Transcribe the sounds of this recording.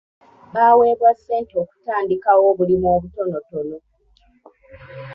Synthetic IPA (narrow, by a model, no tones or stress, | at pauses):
baːwe̞ːβwasːe̞ːntio̞ːku̥taːndikawo̞ːβulimoːβuto̞no̞to̞no̞